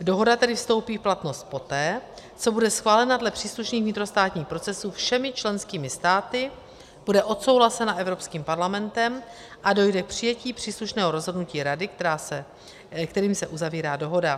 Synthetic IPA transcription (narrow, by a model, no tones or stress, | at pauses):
do̞ɦo̞dat̪ɛdɪfst̪o̞wpiːfplat̪no̞st̪̚po̞t̪ɛː | t͡so̞budɛsxvaːlɛnadlɛpr̝̥iːsluʃniːɣvɲɪt̪ɾo̞st̪aːt̪ɲiːxpɾo̞t͡sɛsuːfʃɛmɪt͡ʃlɛnskiːmɪst̪aːt̪ɪ | b̥udɛʔo̞t̪so̞wɦlasɛnaʔɛvɾo̞pskiːmpaɾlamɛnt̪ɛm | ʔado̞jdɛk̚pr̝̥ɪjɛciːpr̝̥iːsluʃnɛːɦo̞ɾo̞zɦo̞dnuciːɾadɪk̪ɛɾaːsɛ | kt̪ɛɾiːmsɛʔuzaviːɾaːdo̞ɦo̞da